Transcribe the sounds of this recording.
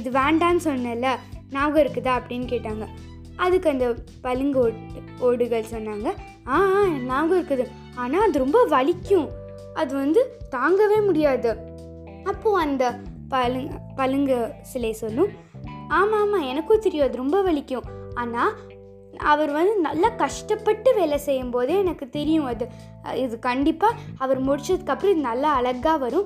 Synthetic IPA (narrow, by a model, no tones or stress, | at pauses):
ɪðɯʋeːɳɖaːnɯsɔnːɐlːɐnaːɣɐɪɾɯkːɯðaɐpːɐɽɪnːɯkeːʈːaːŋɡɐ | ɐðɯkːɯɐnd̪ɐ | pɐlɯŋɡoː | oːɽɯɣɐɭsɔnːaːŋɡɐ | aːnaːɡɐɪɾɯkːɯðɯ | aːnaːɐðɯɾɔmbɐʋɐɭɪkːʊ̃ | ɐðɯʋɐnd̪ɯt̪aːŋɡɐʋeːmʊɽɪjaːðɯ | ɐpːoːɐnd̪ɐpɐlɯpɐlɯŋɡɐsɪlɐsɔlːʊ̃ | aːmaːmaːɛnɐkːot̪ɛɾɪjõɐðɯɾɔmbɐʋɐɭɪkʲːʊ̃aːnaː | ɐ̰ʋɐɾʋɐnd̪ɯnɐlːaːkɐʂʈɐpːɐʈːɯʋeːlɐsɛjːɯmpoːðɯɛnɐkːɯt̪ɛɾɪjʊ̃ɐðɯ | ɪðɯkɐɳɖɪpːaːɐʋɐɾmʊɽɪt͡ʃːɐðɯkːɐpːɾɐ̃ɪðɯnɐlːɐːɭɐɣaːʋɐɾʊ̃